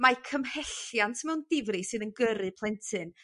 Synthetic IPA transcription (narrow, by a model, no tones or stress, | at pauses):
makʰəmhɛɬjantʰmɛwndɪvrɨsɨnənɡəɾɨpʰlˠɛntʰɨn